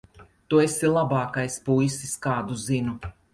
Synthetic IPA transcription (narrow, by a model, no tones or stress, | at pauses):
t̪uesilˠabɑːkajspujsiskaːd̪uzinu